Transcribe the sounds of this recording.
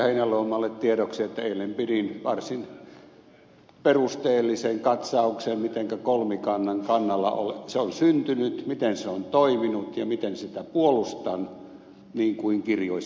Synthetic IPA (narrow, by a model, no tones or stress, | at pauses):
hineloːmːˑɑlːet̪t̪iedoksiet̪ːæeˑilːempiɾinʋɑrsin | perust̪eːlːiseŋkɑt̪sɑuksemmit̪eŋkækolmikɑnːɑŋkɑnːɑlːɑ̰o̰lseonsynt̪ynyt̪mit̪enseont̪oiminut̪jɑmit̪ensit̪æpuolust̪ɑn | niːŋkuiŋkirjoi